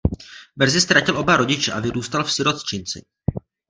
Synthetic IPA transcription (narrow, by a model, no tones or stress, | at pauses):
br̩zɪst̪ɾacɪlʔo̞baɾo̞ɟɪt͡ʃɛʔavɪɾuːst̪alfsɪɾo̞t̪st͡ʃɪnt͡sɪ̰